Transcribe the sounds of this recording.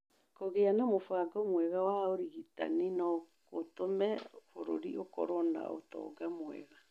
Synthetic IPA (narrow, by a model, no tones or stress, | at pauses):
koɣeanamofaɡɔmwɛɣawaoɾiɣita̰ninɔ | kotomɛfoɾo̰ɾiʔokɔ̰ɾɔna̰o̰tɔ̰ːɡamwɛ̰ɣa